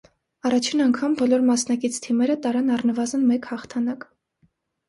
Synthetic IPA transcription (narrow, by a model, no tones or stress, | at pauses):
ɑrɑt͡ʃʰinɑŋkʰɑmbɔlɔɾmɑsnɑkit͡sʰt̪ʰimɛɾət̪ɑɾɑnɑrnəvɑzənmɛkhɑχt̪ʰɑnɑk